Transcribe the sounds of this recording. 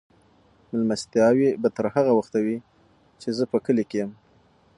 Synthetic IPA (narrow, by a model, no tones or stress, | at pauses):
mɪlmast̪jɑwibat̪əɾhaɣawaxt̪awi | t͡ʃezəpəkəlekejəm